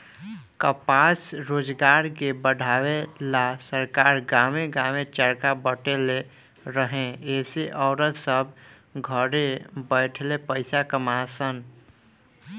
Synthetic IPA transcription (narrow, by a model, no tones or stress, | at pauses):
kəpasɾoːd͡ʒɡaːɾkebəɽʱaːwelasəɾkaːɾɡameɡaːmet͡ʃəɾkabəʈele | ɾəɦẽeːseʔɔːɾət̪səbʱ | ɡʱəɾebəɪʈʰlepəɪsakəmasən